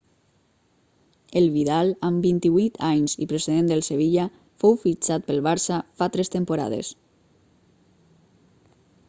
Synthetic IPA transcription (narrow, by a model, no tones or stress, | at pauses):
elβiðalambint̪iβut̪ʰaɲzḭpɾeseðend̪əlˠseβ̞iʎa | fowfit͡ʃat̪̚pəlˠβaɾsafat̪ɾest̪empuɾa̰ðḛs